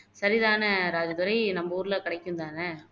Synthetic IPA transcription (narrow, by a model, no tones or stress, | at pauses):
sɐɾiðaːnɐɾaːd͡ʒɐt̪ʊɾɐɪnɐmːbɐuːɾɪlɐkɪɽɐɪkːɯnd̪aːnɐ